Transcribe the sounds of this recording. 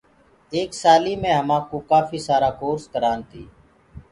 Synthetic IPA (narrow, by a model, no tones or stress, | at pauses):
eːksaːliːmẽːɦəmãːkoːkaːfiːsaːɾaːkoːɾskəɾaːnt̪iː